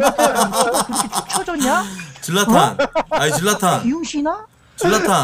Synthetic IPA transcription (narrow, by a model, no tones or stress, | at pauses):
kkɯɾkʰet͡ɕʰu̥t͡ɕʰʌd͡ʑʌɲat͡ɕilːatʰaajiɭːat̪ʰaiuŋɕʰina | t͡ɕilːat̪ʰa